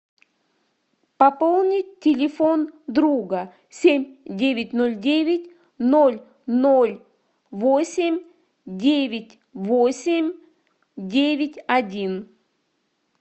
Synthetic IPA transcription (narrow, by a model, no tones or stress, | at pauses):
pɐpolˠnʲɪt̚ʲtːʲɪlʲɪfond̪ɾuɡə | sʲemʲdʲevʲɪtʲnolʲdʲevʲɪtʲ | nolʲ | nolʲ | vosʲɪmʲ | dʲevʲɪtʲ | vosʲɪmʲ | dʲevʲɪtʲɐdʲin